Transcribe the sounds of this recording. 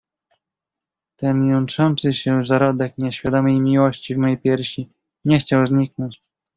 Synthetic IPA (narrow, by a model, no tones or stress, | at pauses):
t̪ɛnjɔnt͡ʂɔnt̪sɘɕɛzaɾɔd̪ɛkɲɛɕfʲjad̪ɔmʲejmʲiwɔɕt͡ɕivmɔjejpʲjɛɾɕi | ɲɛxt͡ɕawzɲiknɔɲt͡ɕ